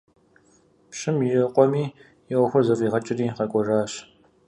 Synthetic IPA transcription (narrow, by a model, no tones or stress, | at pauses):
pɕɪmjɪqʷʼɔmiː | jɛwɔxʷʊrzɐfʼiːʁɐt͡ʃʼɪriːʁɐkʷʼɔraːɕ